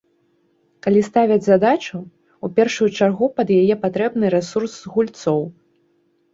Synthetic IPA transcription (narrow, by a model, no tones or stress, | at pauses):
kalʲist̪avʲɐd͡zʲzad̪at͡ʂu | upʲɛrʂujut͡ʂarɣupɐd̪jajɛpat̪ɾɛbnɨɾɛsursɣulʲt̪sɔw